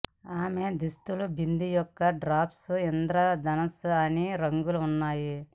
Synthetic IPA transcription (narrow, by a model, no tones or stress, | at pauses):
aːme̞d̪ist̪ulubʱind̪ijɔkːɐɖɾaːpsuend̪ɾɐd̪ɐnɐsɐniɾɐŋɡuluːnːaːji